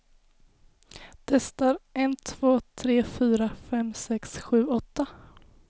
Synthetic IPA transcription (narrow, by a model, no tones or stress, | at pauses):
d̪̥ɛst̪aɾɛnt̪ʰv̥oːt̪ʰɾeːfyːɾafɛmsɛksɧʉ̟ːɔt̪ːa